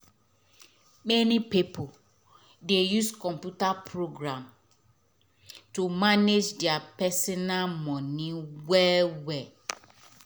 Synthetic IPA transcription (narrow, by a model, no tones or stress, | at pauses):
mɛnĩpipʰo | dejuskʰɔ̃mpjutapʰɹoɡɾãm | tumaned͡ʒdɛapɛsinalmɔ̃nĩwɛwɛ